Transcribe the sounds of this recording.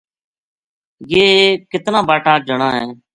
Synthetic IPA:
jeːkɪt̪nãːbaːʈaːd͡ʒəɳãːɦɛː

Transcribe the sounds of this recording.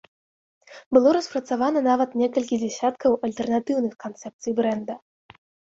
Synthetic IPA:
bɨlˠɔɾɐspɾɐt̪savanɐnavɐt̪nʲɛkɐlʲkʲid͡zʲasʲat̪kɐwʔɐlʲt̪ɛrnat̪ɨwnɨxkant̪sɛp̚t̪sɨjbɾɛnd̪ɐ

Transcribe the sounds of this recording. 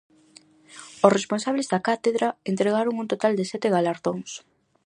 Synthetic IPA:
osresponsaβlezd̪ɐkat̪eðɾaent̪ɾeɣaɾoŋunt̪ot̪ald̪esɛt̪eɣalaɾðoŋs

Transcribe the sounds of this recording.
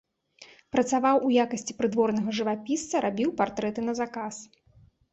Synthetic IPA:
pɾɐt̪savawʔujakɐsʲt͡sʲi̥pɾɨd̪vɔrnɐɣɐʐɨvapʲist̪sɐɾabʲiwpart̪ɾɛt̪ɨnɐzakas

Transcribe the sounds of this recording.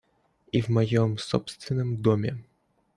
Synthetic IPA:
ivmɐjɔmsɔ̰pst̪vʲɪnːɨmd̪ɔmʲɛ

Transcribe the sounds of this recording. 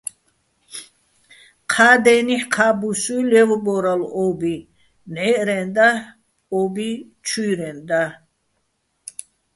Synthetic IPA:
qʰaːd̪ɛːniħqʰabusujlɛvbɔɾalɔbi | nɛʔɾɛnd̪a | ɔbi | t͡ʃʰujɾɛnd̪a

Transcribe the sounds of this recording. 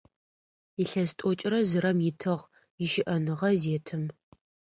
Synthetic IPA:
iɬɐstʼɔt͡ʃʼrɐzɨɾɐmjɪtʰɨʁ | jɪʃɪʔɐnɨʁɐzeːtʰɨm

